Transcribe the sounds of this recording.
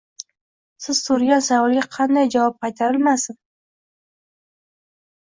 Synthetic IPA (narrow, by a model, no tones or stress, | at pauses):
sɪz̥t̪ʰʊɾɡʲansavɒlˠɡʲaqʰɑnd̪ajd͡ʒavɒp̚qʰɑjt̪ʰaɾɪlmasɪn